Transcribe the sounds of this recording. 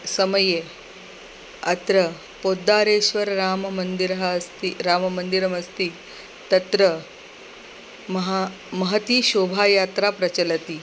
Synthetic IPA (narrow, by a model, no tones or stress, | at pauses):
səməje | ɐ̰t̪ɾə | pod̪ːaɾeɕʋəɾɾaːmmənd̪iɾɦast̪iɾaːmɐmənd̪iɾəmɐst̪iː | t̪ɐt̪ɾə | mɦ | mɐɦət̪iːɕobʱajat̪ɾapɾɐt͡ɕəlɐt̪iː